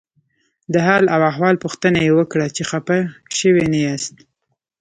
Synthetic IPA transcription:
d̪əɦɑlawaɦwɑlpuxt̪ənajewəkɽat͡ʃexapaʃəwenajast̪̚

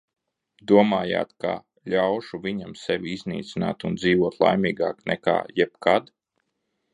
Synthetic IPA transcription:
d̪uɔmaːja̰ːt̪ka̰ | ʎʲawʃuvʲiɲamsɛʋiiznḭːt̪sina̰ːt̪und̪ziːvuɔt̪lˠa̰jmʲiːɡaːknɛka̰ːjɛb̥kad̪

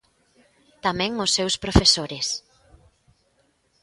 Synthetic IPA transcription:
t̪amɛ̃ŋʊsːewspɾofesoɾɪs

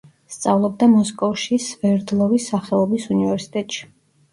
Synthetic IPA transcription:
st̪sʼavlˠɔb̚d̪amɔskʼɔfʃisvɛɾd̪lˠɔvisːaχɛlˠɔbisunivɛɾsi̥t̪ʼɛt̪ʼʃi̥

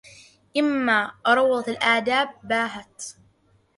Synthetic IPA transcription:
ʔɪmːaːɾˤɑwːɑd̪ˤɑt̪alʔaʕd̪aːb̚ːaːɦat̪

